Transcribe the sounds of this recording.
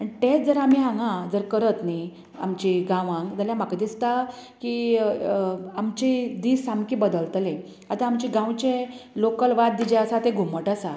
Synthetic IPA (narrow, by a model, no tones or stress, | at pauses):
əniʈed͡zəɾamiɦãŋɡãd͡zəɾkəɾət̪ni | a̰mt͡ɕiɡãʋãŋɡd͡zəljamakd̪ist̪aki | amt͡ɕid̪isamkibəd̪əlt̪lẽ | at̪ãːmt͡ɕiɡãwt͡ɕẽlokəlʋat̪̚d̪id͡ʑeəsat̪ẽɡʱuməʈəsa